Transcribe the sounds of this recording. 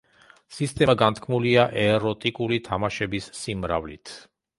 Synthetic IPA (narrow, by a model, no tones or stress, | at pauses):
sist̪ʼɛɡant̪ʰkʰmuliaʔɛɾɔt̪ʼikʼulit̪ʰamaʃɛbisːimɾa̰vlḭt̪ʰ